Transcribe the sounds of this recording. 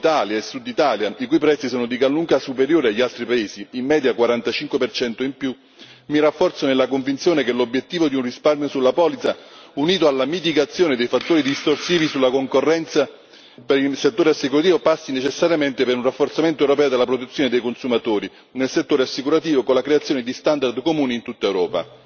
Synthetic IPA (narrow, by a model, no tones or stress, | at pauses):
t̪aljaesːud̪it̪aːljaikujpɾɛt̪sːisoːnod̪ikalːuŋkasupeɾjoːɾeaʎːialt̪ɾipaeːziːmːɛːd̪jakwaɾant̪at͡ʃiŋkwepert͡ʃɛnt̪oimpju | mirafːɔrt̪sonelːakoɱvint̪sjoːnekelobːjet̪ːiːvod̪iunrisparmjosulːapɔːlit̪sauniːt̪oalːamit̪̬iɡat̪sːjoːned̪ejfat̪ːoːɾid̪ist̪orsiːvisulːakoŋkorːɛnt̪sa | peɾilset̪ːoːɾeasːikuɾat̪iːvopasːinet͡ʃesːaɾjament̪epeɾunrafːort̪sament̪oɛwɾop̬ɛːod̪elːapɾot̪et̪sːjoːned̪ejkonsumat̪oːɾi | nelset̪ːoːɾeasːikuɾat̪̬iːvokonlːakɾeat̪sːjoːned̪ist̪and̪ard̪komuːnint̪ut̪ːaewɾɔːpa̰